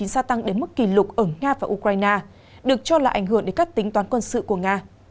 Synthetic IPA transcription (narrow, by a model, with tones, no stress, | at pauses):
i˨˦nsaː˧t̪a˧ŋɗe˨˦nmɨ˦˥kːi˧˩lʊ˨˩k͡p̚ʔəː˧˩ŋaː˧vaː˨˩ʔu˧kwaː˧jnaː˧ | ɗɨ˨˩ək̚t͡ɕɔ˧laː˨˩ʔa˧˩jŋ̟ɦɨ˧˩əŋɗe˧˩kaː˦˥k̚t̪ï˨˦ŋ̟t̪waː˨˦nkwə˧nsɨ̰˧˨ku˧˩əŋaː˧